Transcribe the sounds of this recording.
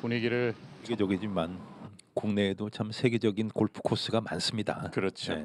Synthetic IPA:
puniɡiɾɯɭeɡe̞d͡ʑʌɡid͡ʑiman | kuŋne̞ːdot͡ɕamsʰe̞ɡe̞d͡ʑʌɡinkoɭpʰɯ̥kʰos͈ɯɡama̰ns͈ɯmɲida̰kɯɾʌt͡ɕʰe

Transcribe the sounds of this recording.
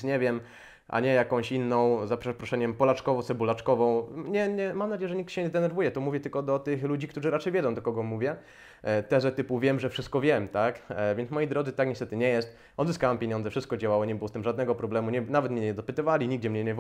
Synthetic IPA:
ɲɛvʲjɛm | ʔa̰ɲɛjakɔ̃w̃ɕinːɔ̃w̃zapɛpɾɔʂɛɲɛmpɔlat͡ʂkɔvɔsɛbulat͡ʂkɔvɔ̃w̃ɲɛɲɛmamnad͡ʑejɛʐɛɲik̚tɕɛɲɛd̪ɛnɛɾvujɛt̪ɔmuvʲjɛt̪ɘlkɔd̪ɔt̪ɘxlud͡ʑik̚t̪uʐɘɾat͡ʂɛjvʲɛd̪zɔ̃w̃d̪ɔkɔɡɔmuvʲjɛ | t̪ɛzɛt̪ɘpuvʲjɛmʐɛfʂɘst̪̚kɔvʲjɛmt̪akvʲjɛntsmɔjijd̪ɾɔd̪zɨt̪akɲɛst̪ɛt̪ɘɲɛjɛst̪ | ɔd̪zɨskawampʲjeɲɔ̃nzɛfʂɘst̪̚kɔd͡ʑawawɔɲɛbɘwɔst̪ɘmʐad̪nɛɡɔpɾɔblɛmuɲɛnavɛt̪mɲɛɲɛd̪ɔpɘt̪ɨvalʲiɲiɡ̚d͡ʑɛmɲɛɲɛv

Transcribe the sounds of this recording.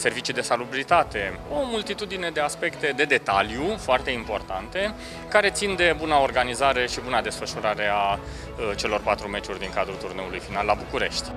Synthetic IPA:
se̞rvit͡ʃid̪e̞salubilit̪at̪e̞o̞mult̪it̪ud̪ine̞d̪e̞aspe̞kt̪e̞d̪e̞d̪e̞t̪aljufoart̪e̞impo̞rt̪ant̪e̞ | kaɾe̞t̪sind̪e̞bunao̞rɡanizaɾe̞ʃibunad̪e̞sfəʃuɾaɾe̞a | t͡ʃe̞lo̞rpat̪ɾume̞t͡ʃurʲd̪iŋkad̪ɾut̪urne̞ulujfinalːabukuɾe̞̰ʃt̪ʲ

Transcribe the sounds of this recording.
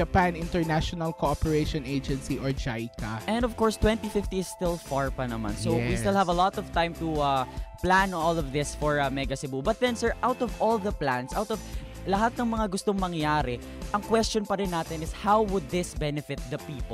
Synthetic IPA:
ɐpanɪ̃nt̪ɛɹnaʃɔnɐlkoɔpɛɹeʃɔned͡ʒɛ̃nsiʔɔɹd͡ʒajkaʔɛ̃nd̪ɔvkɔɹst̪wɛ̃nt̪ifɪft̪iɪst̪ɪlfaɹpɐnɐma̰nsowisttɪlˠhɐvɐlɔt̪ɔv̥t̪ãjmt̪uaplãnɔlɔvðɪsfɔɹɐmɛɡɐsɪbubɐt̪̚d̪ɛ̃nsɛɹʔawt̪ɔvʔɔlðɐplãnsʔawt̪ɔv | lɐɦat̪̚nɐŋmɐŋaɡʊst̪oŋmɐŋjaːɾɛ | ʔɐŋkwɛst͡ʃɔnpɐɾɪnːaːt̪ɪnɪshawwʊd̪̚ðɪsbɛnɛfɪt̪̚d̪ɐpiːp

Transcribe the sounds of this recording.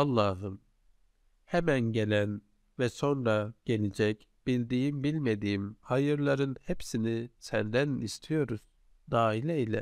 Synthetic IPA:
ɑlˠːɑːɦɯn | hɛmænɟe̞lʲæn | vɛso̞nɾaɟ̥e̞lʲid͡ʒɛc | b̥ilʲd̪iːimbilʲme̞d̪iːimhajɯɾlˠaɾɯnhepsinisænd̪ænist̪ʰijo̞ɾuz̥ | d̪aːilʲɛilʲɛ̰

